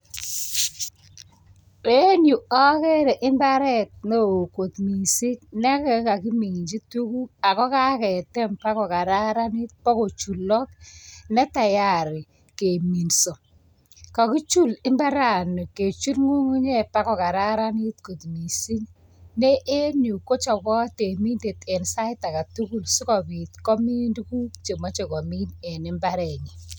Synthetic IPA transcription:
e˦nju˨ɔ˦ke˦ɾɛ˨ʔɪ˦mba˦ɾɛ˦t̚no˦˨ko˨tmi˨si˦knɛ˦kɛ˦˨ka˨ki˦mi˨ŋ˨d͡ʒi˦tu˦ku˦a˨kɔ˦ka˦kɛ˨tɛ˦mpa˦kɔ˨ka˨ɾa˦ɾa˦ni˦t̚pɔ˦ko˨t͡ʃu˨lːɔ˦k̚nɛ˦ta˨ja˨ɾɪ˨ | ke˨mi˨nsɔ˨ | ka˨ki˦t͡ʃu˦lɪ˦mba˦ɾa˦˨nu˨ke˨t͡ʃu˦ɾŋu˦ŋu˦ɲɛ˦pa˦kɔ˨ka˨ɾa˦ɾa˦ni˦tko˨tmi˨si˦n | ne˦ʔe˦nu˨ko˦t͡ʃɔ˨kɔ˦te˨mi˦nde˨tɛ˨nsa˦ɪ˦ta˨ka˨tu˦ku˦lsu˦kɔ˨bi˨tkɔ˦mi˦ndku˦t͡ʃe˨mɔ˦t͡ʃe˨kɔ˨mi˦nɛ˨nɪ˦mba˦ɾɛ˨ɲi˨

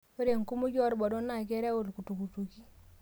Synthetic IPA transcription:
o˦ɾe˨ŋku˦mu˦d͡ʒɔ˦ɾbɔ˨do˦na˨kɛ˦ɾɛ˦o˦˨lku˨tu˨ku˨tu˨ki˦

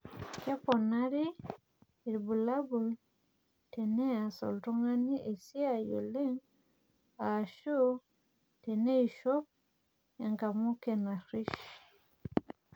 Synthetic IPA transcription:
kɛ˦pɔ˨na˦ɾi˦ | i˨ɾbu˨la˦bu˨l | tɛ˨nɛ˦a˨sɔ̰˨ltɔ˦ŋa˦ni˦ʔe˨si˦a˦˨jo̰˨le˦ŋ | a˨ʃu˦ | tɛ˨ne˦i˨ʃɔ˦p̚ | ɛ˨ŋɡa˨mu˦ke˨na˨ɾi˦ʃ

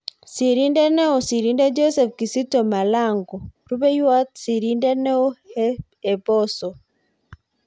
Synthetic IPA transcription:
si˨ɾi˦ndɛ˦nɛ˦o˨si˨ɾi˦nde˦d͡ʒɔ˦sɛ˨fki˨si˦to˨ma˨la˦˨ŋɡɔ˨ɾu˦bɛ˦jwa˦t̪̚si˨ɾi˦ndɛ˦nɛ˦o˦ | e˨bɔ˦sɔ˨

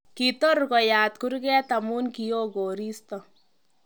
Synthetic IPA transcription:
kit̪ɔ˦rkɔ˨jaːt̪ku˦ɾkɛː˦t̪amu˦nkio˦ɡoː˨ɾiːstɔ

